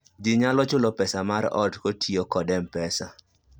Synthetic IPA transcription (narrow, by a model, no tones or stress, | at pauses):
d͡ʒɪɲalɔt͡ʃʊlɔpɛsamaɾɔ̰dkotʰiokɔdɛmpɛsa